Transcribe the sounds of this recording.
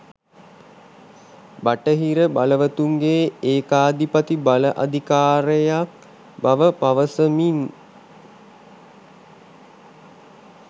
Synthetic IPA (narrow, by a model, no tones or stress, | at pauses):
baʈəɦiɾəbaləʋət̪uŋɡeːeːkaːd̪ipat̪ibaləʔa̰d̪ʱikaːɾəjak̚ | baʋəpaʋəsəmin